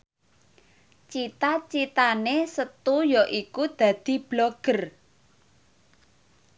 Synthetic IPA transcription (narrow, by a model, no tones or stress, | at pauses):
t͡ʃit̪at͡ʃit̪anesət̪ujɔʔikud̪̥ä̤d̪̥i̤b̥lɔɡ̥ə̤r